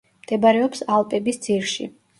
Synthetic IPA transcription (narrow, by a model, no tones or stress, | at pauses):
md̪̥ɛbaɾɛɔpsalˠpʼɛbisd̪z̥iɾʃḭ